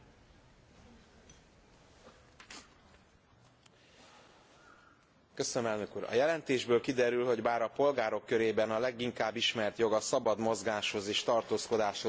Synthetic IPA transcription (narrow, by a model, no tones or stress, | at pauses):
køsønømɛlnøkuːɾɒ̰jɛlɛnt̪eːʒbøːlkid̪ɛɾylho̞ɟbaːɾɒpo̞lɡaːɾo̞kːø̞ɾeːbɛnɒlɛɡiŋkaːbːiʃmɛrt̪jo̞ɡɒsɒbɒd̪mo̞zɡaːʃho̞zeːʃt̪ɒrt̪oːsko̞d̪aːʃho